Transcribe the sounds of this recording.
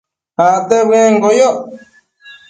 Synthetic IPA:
hat̪eβeŋɡojo

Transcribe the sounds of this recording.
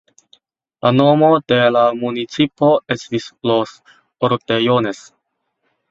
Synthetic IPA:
lanomode̞lamunit͡sipoesvislos | oɾtejones

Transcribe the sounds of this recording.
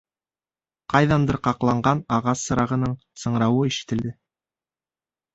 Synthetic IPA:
qɑjðɑnd̪ɤ̆ɾqɑqlˠɑɴɢɑnɑʁɑsːɤ̆ɾɑʁɤ̆nɤɴ | sɤ̆ɴɾɑwɤiʃɘ̥̆t̪ɘ̆ld̪ɘ

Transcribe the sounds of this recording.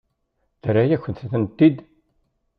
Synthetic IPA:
θəɾajæçʷənθθnt̪ːid̪

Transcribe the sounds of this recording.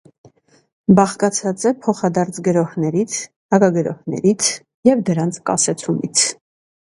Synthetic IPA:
bɑχkɑt͡sʰɑt͡sɛpʰɔχɑd̪ɑɾt͡sʰɡəɾɔhnɛɾit͡sʰ | hɑkɑɡəɾɔ̰hnɛ̰ɾit͡sʰ | jɛvd̪əɾɑnt͡sʰkɑ̰sɛt͡sʰumit͡sʰ

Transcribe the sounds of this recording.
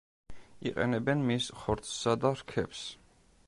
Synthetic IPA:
iqʼɛ̰nɛbɛnmisχɔɾt̪sʰːad̪aɾkʰɛps

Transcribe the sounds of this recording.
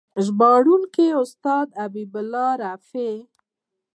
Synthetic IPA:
ʒbɑɽuŋkeʊst̪ɑd̪abibʊlːɑɾafe

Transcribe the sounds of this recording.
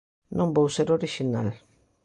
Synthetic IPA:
nõmbowseɾoɾiʃina̰l

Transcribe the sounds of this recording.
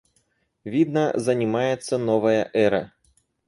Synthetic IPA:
vʲid̪nɐzɐnʲimajɛt̪sːɐnɔvɐjɐʔɛɾɐ

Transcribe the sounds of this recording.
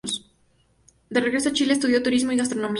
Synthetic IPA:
s | d̪ereɣɾesoat͡ʃiles̬t̪uðjot̪uɾizmoiɣas̬t̪ɾonomi

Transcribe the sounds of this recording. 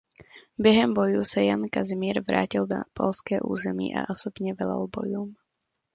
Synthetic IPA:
bɛɦɛmbɔjusajankazimiːɾʋɾaːcilna̰pɔlskɛːʔṵːzɛmḭːʔa̰ʔɔsɔbɲɛʋɛla̰lbɔjum

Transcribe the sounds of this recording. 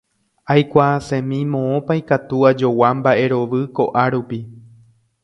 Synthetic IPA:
ajkʷasẽ̞mĩmõ̞õpajkat̪uad͡ʒo̞wambaʔe̞ɾo̞ʋɨko̞ʔaɾupi

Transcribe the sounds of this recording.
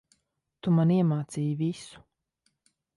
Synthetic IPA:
t̪umaniɛmaːt̪siːjvisu̥

